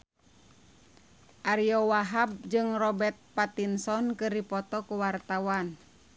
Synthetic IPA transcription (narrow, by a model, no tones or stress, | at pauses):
ʔaɾiɔwaɦab̚d͡ʒɨŋrɔbɛrt̪̚pat̪insɔnkɨrdipɔt̪ɔkuwart̪awan